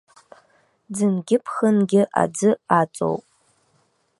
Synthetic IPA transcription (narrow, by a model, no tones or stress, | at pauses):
d͡zɨnɡʲɪpʰχənɡʲɪʔa̰d͡zɨat͡sʼo̞̰wpʼ